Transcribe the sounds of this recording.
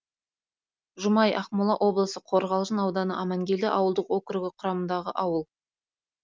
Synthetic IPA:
ʒʊmɑjɑχmʊlˠɑʔo̞blˠəsəqʰo̞ɾʁɑlˠʒənɑwd̪ɑnəʔɑmɑŋɡʲe̞ld̪ɪʔɑwəlˠd̪əqwokʲɪɾɪɡʲɪqʰʊɾɑmənd̪ɑʁə̰ʔɑwəlˠ

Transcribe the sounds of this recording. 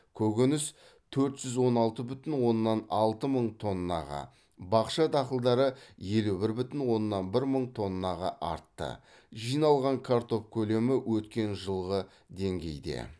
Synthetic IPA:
kʲʰɵɡʲʏnɪs | t̪ʰɵɾt̪ʒ̥ʏzwo̞nɑlˠt̪əbʏt̪ɪnwo̞nːɑnɑlˠt̪əməɴt̪ʰo̞nːɑ̰ʁɑ̰ | bɑqʃɑd̪ɑqəlˠd̪ɑɾəje̞lubɪɾbʏt̪ɪnwo̞nːɑnbɪɾməɴt̪ʰo̞nːɑʁɑʔɑ̰ɾt̪ːə̰ | ʒijnɑlˠʁɑŋkʰaɾt̪o̞fkʲʰɵle̞mɪwʔɵt̪kʲe̞nʒəlˠʁə | d̪e̞ŋɡʲe̞̰jd̪e̞̰

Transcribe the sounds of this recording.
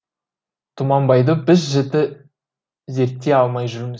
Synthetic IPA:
t̪ʰʊmɑnbɑjd̪əbɪzʒɪt̪ɪ | ze̞ɾt̪ːe̞ɑlˠmɑjʒʏɾɪmɪz

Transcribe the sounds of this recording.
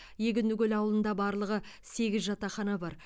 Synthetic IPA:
je̞ɡʲɪnd̪ʏɡʲelɑwəlˠənd̪ɑbɑɾlˠəʁə | se̞ɡʲɪzʒɑt̪ɑχɑnɑbɑɾ

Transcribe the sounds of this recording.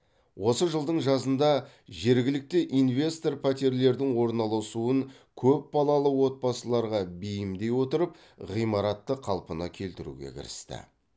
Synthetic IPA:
wʔo̞səʒəlˠd̪əɴʒɑzənd̪ɑ | ʒe̞ɾɡʲɪlɪk̚t̪ɪʔinvʲe̞st̪o̞rpʰæt̪eɾle̞ɾd̪ɪŋwo̞ɾnɑlˠɑsuəŋ | kʲʰɵp̚bɑlˠɑlˠəwo̞t̪̚bɑsəlˠɑɾʁɑbijɪmd̪e̞jwo̞t̪əɾəp̚ | ʁijmɑɾɑt̪ːəqʰɑlˠpənɑkʲʰe̞lt̪ɪɾṵɡʲḛkʲʰɪ̰ɾɪ̰st̪ɪ̰

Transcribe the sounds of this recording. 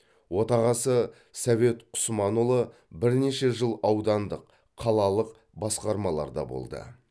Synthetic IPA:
wo̞t̪ɑʁɑsə | sɑve̞t̪ʰʊ̥smɑnʊlˠəbɪɾneʃe̞ʒəlˠɑwd̪ɑnd̪əqʰː | ɑlˠɑlˠəq | bɑsqɑɾmɑlˠɑ̰ɾd̪ɑ̰bo̰lˠd̪ə̰

